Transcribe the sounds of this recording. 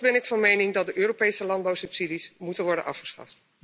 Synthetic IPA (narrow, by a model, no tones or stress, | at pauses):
bɛnɪkfɑnmejnɪŋdɑt̚dəʔøːropejsəlɑndbawsɵpsidismutənʋɔɹdə̰nʔɑ̰fχəsχɑ̰ft